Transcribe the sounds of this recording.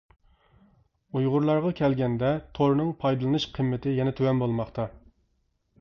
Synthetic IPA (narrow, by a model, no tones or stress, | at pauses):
ujʁʊɾlˠɑɾʁɑkʲʰɛlɡʲɛnd̪ɛt̪ʰoɾnɨŋpʰɑjd̪ɨlˠɨnɨʃqʰəmːɪt̪ʰɪjɛnɛt̪ʰøwɛnbolˠmɑχt̪ʰɑ